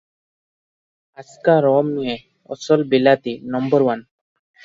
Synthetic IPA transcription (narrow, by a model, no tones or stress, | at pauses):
askaɾɔmnie | ɔ̰sɔlbelat̪inɔmbɔɾwan